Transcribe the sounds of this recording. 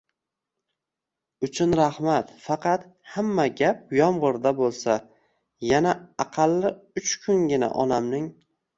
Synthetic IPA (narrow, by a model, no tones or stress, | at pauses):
ʊt͡ʃʰʊnɾahmat̪fɑqʰɑt̪hamːaɡʲap̚jɒmʁɨɾd̪abolˠsa | janaɑqʰɑlːɪʊt͡ʃkʰʊŋɡʲɪna̰ʔɒ̰namnɪŋ